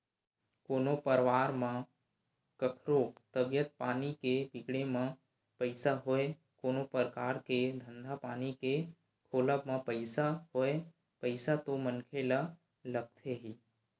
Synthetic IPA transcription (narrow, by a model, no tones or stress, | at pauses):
koːnopəɾʋaːɾmã | kəkʰɾot̪əbjət̪̚paːnikepɪkɽemã | pəɪsaɦoe | koːnopəɾəkaːɾked̪ʱə̃nd̪ʱapaːnike | kʰoːləpmãpəɪsaɦoe | pəɪsat̪omənkʰela | ləɡ̚t̪ʰeɦi